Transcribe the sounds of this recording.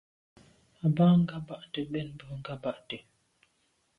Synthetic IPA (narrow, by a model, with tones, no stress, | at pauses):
a˨baː˦ŋ̩˦ɡa˦ba˦ʔte˨ɓɛ˦˨n˦bə˨˦ŋ̩˦ɡa˦ba˦ʔte˨